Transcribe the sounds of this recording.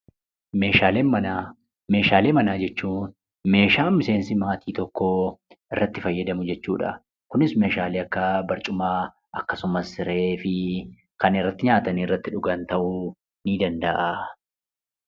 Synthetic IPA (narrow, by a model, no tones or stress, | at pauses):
me̞ːʃaːleːmɐna | me̞ːʃaːle̞ːmɐnaːd͡ʒɛt͡ʃːuːn | me̞ːʃaːmɪse̞ːnsɪmaːt̪ʰiːt̪ɔkːoʔɪrːɐt̪ːɪfɐjːɐd̪ɐmʊd͡ʒɛt͡ʃːuːᶑɐ̰ | kʊnɪsme̞ːʃaːleːɐkːɐbɐɾt͡ʃʼʊmaː | ʔɐkːɐsʊmɐsːɪɾe̞ːfɪ | kɐnɪrːɐt̪ːɪɲaːt̪ɐniɪrːɐt̪ːɪᶑʊɡɐnt̪ɐʔʊ | niːd̪ɐnd̪ɐʔa